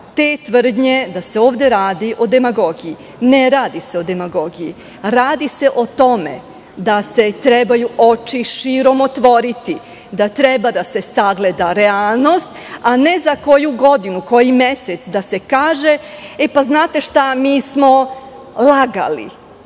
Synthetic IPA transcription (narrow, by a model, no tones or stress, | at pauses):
t̪eːt̪ʋr̩d̪ɲe̞d̪ase̞oːʋd̪e̞ɾaːd̪iʔo̞d̪emaɡo̞ɡiji | neɾaːd̪ise̞o̞d̪e̞maɡo̞ɡijḭ | ɾaːd̪ise̞ʔot̪o̞mḛ | d̪ase̞t̪ɾebajuʔo̞t͡ʃiʃiɾo̞mot̪ʋo̞ɾit̪i | d̪at̪ɾe̞bad̪ase̞saɡle̞d̪aɾealˠno̞st̪ | ane̞zako̞juɡo̞d̪inuko̞jime̞set̪sd̪ase̞kaːʒe̞epaznaːt̪e̞ʃt̪amiːsmo̞ | lˠaɡa̰lḭ